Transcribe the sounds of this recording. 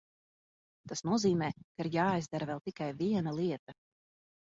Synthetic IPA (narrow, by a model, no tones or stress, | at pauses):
t̪asnuɔziːmɛːkaiɾjaːajzd̪aɾvɛlˠt̪ikajviɛnalˠiɛt̪ɐ